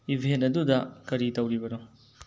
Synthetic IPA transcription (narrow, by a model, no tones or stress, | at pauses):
ibʱentɐdudɐkɐɾitɐwɾibɐno